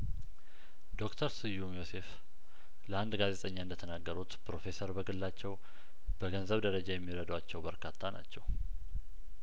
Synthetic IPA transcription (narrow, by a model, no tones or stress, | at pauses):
d̪̥o̞kt̪ʰəɾsɨjːumjo̞se̞f | ləand̪ɡaze̞t̪ʼəɲːaɨnd̪ət̪ʰənaɡːəɾut̪pɾo̞fe̞səɾbəɡɨlːat͡ʃːɛw | b̥əɡənzəβd̪əɾəd͡ʒajɛmːiɾəd̪wat͡ʃːɛwbəɾkʰat̪ʰːana̰t͡ʃːɛw